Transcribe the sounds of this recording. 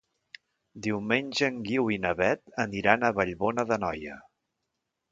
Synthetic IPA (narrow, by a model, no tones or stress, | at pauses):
d̪iwmenʲʒəːŋɡiwinəβɛt̪əniɾanəβəʎβonəðənɔjə